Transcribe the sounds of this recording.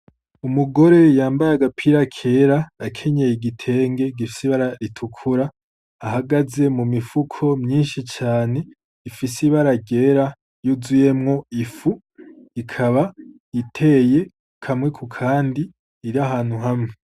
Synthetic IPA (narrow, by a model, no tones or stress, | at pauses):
umuɡo̞ɾe̞jaːmbajaɡapʰiɾakʰe̞ːɾaakʰe̞ɲejiɡitʰe̞ːŋɡe̞ɡifi̥siβaɾaɾitʰukʰuɾaː | ɦaɡaze̞mumifukʰo̞mɲiːnʃit͡ʃaːne̞ | ifisiβaɾaɟe̞ːɾa | juzuje̞mŋo̞ifu | ikʰaβa | itʰe̞je̞ | kʰamŋe̞kʰukʰaːndiː | ɾaɦaːn̥huɦamŋe